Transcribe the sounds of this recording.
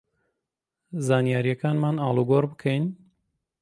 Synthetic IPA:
zaːnjaːɾijɛkaːnmaːnaːlˠuɡoɾbɨkʰɛjn

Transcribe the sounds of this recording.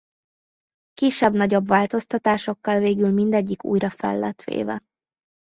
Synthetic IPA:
kiʃːɛbnɒɟobvaːlt̪o̞st̪ɒt̪aːʃo̞kːɒlveːɡylmind̪ɛɟːikṵːjɾɒfɛ̰lːɛt̪ʋḛːvɛ̰

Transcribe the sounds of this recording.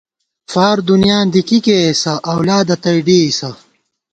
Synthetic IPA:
faːɾd̪unjaːnd̪ikikesɐʔɐwlaːd̪ɐt̪ɐjɖiːisɐ

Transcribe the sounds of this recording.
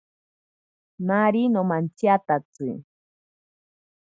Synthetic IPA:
naɾinomant͡ʃjat̪at͡sɨ̰

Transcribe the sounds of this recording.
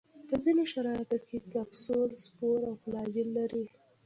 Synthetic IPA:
pəzinoʃaɾɑjat̪okekabsolspoɾawplɑd͡ʒɪlːaɾi

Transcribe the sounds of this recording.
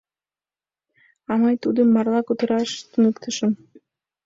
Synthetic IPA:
ɑmɑjt̪ud̪ɘmːɑɾlˠɑkut̪ɤ̆ɾɑʃt̪ɵ̆nɘkt̪ʰɤ̆ʃɤm

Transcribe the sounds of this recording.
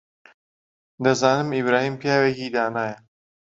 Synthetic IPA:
d̪ɐzɑːnɨmibɾaːhiːmpjaːwekiːd̪aːnaːjɐ

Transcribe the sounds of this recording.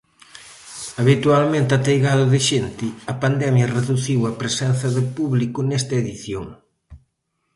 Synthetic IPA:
ɐβit̪ualmẽnt̪at̪ejɣaðɐðɪʃent̪ɪɐpand̪ɛmjɐreðuθiwɐpɾesɛnθɐðɪpuβlikʊnɛst̪ɐeðiθjoŋ

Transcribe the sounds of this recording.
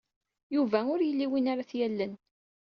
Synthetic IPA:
juvæʊɾjəlːiwinaɾaθjælːən

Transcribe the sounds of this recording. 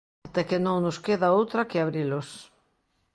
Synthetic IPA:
t̪ekenõŋnʊskeðaowt̪ɾɐkɪaβɾilʊs

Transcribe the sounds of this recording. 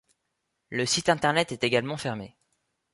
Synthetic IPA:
ləsit̪ɛ̃t̪ɛʁnɛt̪ɛt̪eɡalmɑ̃fɛʁme

